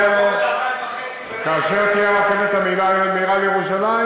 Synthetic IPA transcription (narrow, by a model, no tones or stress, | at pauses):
kaːʃeʁt̪ijaʁat̪emet̪amilamiːʁalejeʁuʃalai